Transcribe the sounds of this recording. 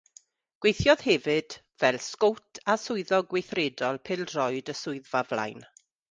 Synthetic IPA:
ɡ̥wejθjɔð̥hɛvɨd̥ | v̥ɛlˠskowtʰasʊɨðɔɡwejθreːdɔlˠpʰɪlˠdrɔɨdəsʊɨðvavla̰jn

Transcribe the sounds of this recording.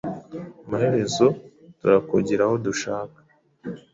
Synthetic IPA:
amahe̞ɾe̞zo̞ | tuɾakuɟiɾaho̞duʃaːkḁ

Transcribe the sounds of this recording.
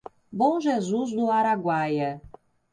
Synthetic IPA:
bõʒezuzd̪ʊaɾaɡwajɐ

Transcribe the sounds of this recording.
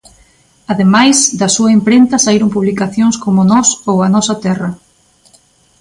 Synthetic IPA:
aðemajzd̪ɐsuɐempɾent̪ɐsaiɾompuβlikaθjoŋskomʊnɔsowɐnɔsɐt̪ɛrɐ

